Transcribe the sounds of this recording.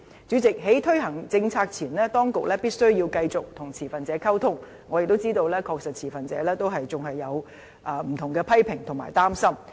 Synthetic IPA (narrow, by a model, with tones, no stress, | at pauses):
t͡syː˨˥t͡sɪ˨k̚ɦe˨˥jt̪ʰɵ˥ɥɦɐ˨˩ŋt͡sɪ˧ŋt͡sʰaː˧k̚t͡sʰiː˨˩nlɛː˥t̪ɔː˥ŋkʊ˨k̚lɛː˥piː˥t̚sɵ˥ɥji˧wkɐ˧jt͡sʊ˨k̚t̪ʰʊ˨˩ŋt͡sʰiː˨˩fɐ˨nt͡sɛː˨˧˥kʰɐ˥wt̪ʰʊ˥ŋ | ŋːɔː˨˧jk̚t̪o˥wt͡siː˥t̪o˧wlɛː˥kʰɔː˧k̚sɐ˨t̚t͡sʰiː˨˩fɐ˨nt͡sɛː˨˧˥lɛː˥t̪o˥wɦɐ˨jt͡sʊ˨ŋɦɐ˨jːɐ˨˧w | ʔɐː˨˩m̩˨˩t̪ʰʊ˨˩ŋkɛː˧pʰɐ˥jpʰɪ˨˩ŋt̪ʰʊ˨˩ŋma̰ː˨˩jt̪aː˥msɐ˥m